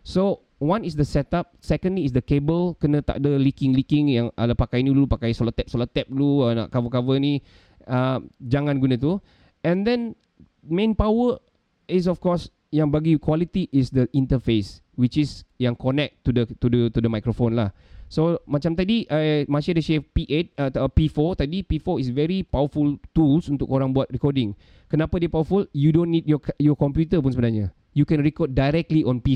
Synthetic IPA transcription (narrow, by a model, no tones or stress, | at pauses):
so | wãnisdəsɛt̪ap̚sɛkə̃ndliːsdəkebəlkənə̃t̪a̰ʔdəlikĩŋlikĩŋjaŋʔa̰lapakajnilupakajsolat̪ɛp̚solat̪ːɛp̚luəna̰ʔkavəkavəni | əmd͡ʒaŋãnɡunə̃t̪u | ɛ̃ndɛ̃n | mẽnpawə | is̬ɔfkɔs | jãŋbaɡikwalit̪iʔisdəʔĩnt̪əfes | wit͡ʃisjãŋkɔnɛk̚t̪ːudət̪udət̪udəmajkɾofõnlahsomat͡ʃamt̪̬adiʔamãʃadəʃefpiʔet̪̚əəpifɔt̪adipifɔisvɛɾipawəfult̪ulsunt̪ʊkoɾãŋbuat̪̚ɹikɔdɪ̃ŋ | kənapadiəpawəfuljudõnːid̚jɔjɔkɔ̃mpjut̪əp̬unsəbənaɲa | jukɛ̃nɹikɔd̚dajɾɛk̚tliʔɔ̃npi